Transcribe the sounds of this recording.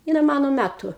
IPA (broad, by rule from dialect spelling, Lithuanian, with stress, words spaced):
ˈjɪnɐɪ ˈmɑːnoː ˈmʲætʊ